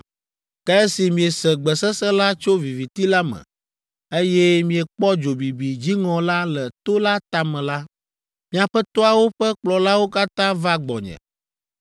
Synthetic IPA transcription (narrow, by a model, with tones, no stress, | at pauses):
kɛ˦ɛ˦si˨mĩ˨ɛ˨sɛ˨ɡ͡bɛ˨sɛ˦sɛ˦la˦t͡ʃo˦vi˨vi˨t̪i˦la˦mɛ̰̃˨ | e˦jɛ˦mĩ˨ɛ˨k͡pɔ˦d͡ʒo˨bi˨bi˨d͡ʑi˦ŋɔ̃˨la˦lɛ˨t̪o˦la˦t̪a˨mɛ̃˨la˦ | mĩ˨a˨ɸɛ˦t̪ɔ˦a˨wo˦ɸɛ˦k͡plɔ˨la˦wo˦ka˦t̪ã˦va˦ɡ͡bɔ̰˨ɲɛ̰̃˨